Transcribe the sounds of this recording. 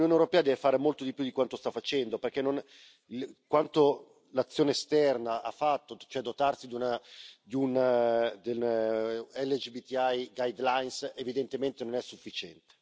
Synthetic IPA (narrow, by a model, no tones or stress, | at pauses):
lunɲjoːnewɾopɛːad̪ɛːvefaːɾemolt̪od̪ipjud̪ikwant̪ost̪afat͡ʃɛnd̪operkenon | ikwant̪o | lat̪sːjoːnest̪ɛrnaa̰fːat̪ːot͡ʃoɛd̪ːot̪arsid̪unad̪iund̪e | ɛlːed͡ʒibit̪iajɡajd̪lajnsevid̪ent̪ement̪enonɛsːufːit͡ʃɛnt̪e̥